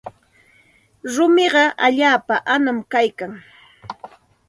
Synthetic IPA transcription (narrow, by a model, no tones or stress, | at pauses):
ɾʊmɪɢɑʔaʎaːpaʔanamkajkaŋ